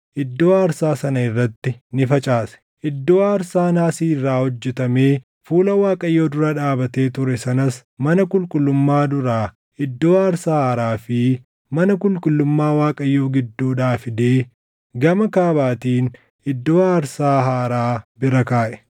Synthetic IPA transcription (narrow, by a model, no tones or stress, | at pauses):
ʔɪd̪ːo̞ːɐɾsaːsɐnɐɪrːɐt̪ːɪnɪfɐt͡ʃʼaːsɛ̥ | ʔɪd̪ːo̞ːɐɾsaːnaːsiːrːaːhɔd͡ʒːɛt̪ɐme̞ː | fuːlɐwaːkʼɐjːo̞ːd̪ʊɾɐᶑaːbɐt̪e̞ːt̪ʊɾɛsɐnɐs | mɐnɐkʼʊlkʼʊlːʊmːaːd̪ʊɾaː | ʔɪd̪ːo̞ːɐɾsaːhaːɾaːfɪ | mɐnɐkʼʊlkʼʊlːʊmːaːwaːkʼɐjːo̞ːɡɪd̪ːuːᶑaːfɪd̪e̞ː | ɡɐmɐkaːbaːt̪iːn | ʔɪd̪ːo̞ːɐɾsaːɦaːɾaːbɪɾɐkaːʔɛ̥